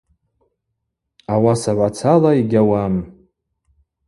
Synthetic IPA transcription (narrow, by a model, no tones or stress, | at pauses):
awasaʕʷat͡sʰalaiɡʲawam